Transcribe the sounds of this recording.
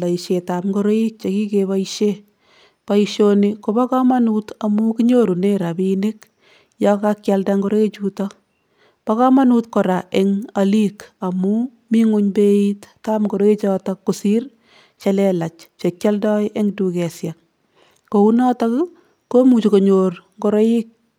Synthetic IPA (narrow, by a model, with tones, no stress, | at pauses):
la˨i˨ʃe˨tapŋɡo˦ɾo˦i˦k̚t͡ʃe˨ki˦keba˦iʃe | pa˨iʃoniko˨ba˦kamanutamu˦kiɲo˦ɾu˨ne˦ɾa˨bine˦k | jɔkakjaldaŋɡo˦ɾo˦e˦t͡ʃutɔ | paka˦ma˦nu˦tkɔ˨ɾa˨ʔeŋalika˨mu˦ | mi˦ŋu˦ɲbe˦itta˦mɡo˨ɾo˦e˦t͡ʃɔ˦ta˦kːo˨si˦r | t͡ʃa˦lɛla˨t͡ʃt͡ʃe˨kʲja˦ldɔ˦ɪʔe˦ŋdu˨kɛsja˨k̚ː | o˨u˦nɔ˦ta˦k | ko˦mu˨t͡ʃi˨ko˨ɲorŋɡo˦ɾɔ˦i˦k̚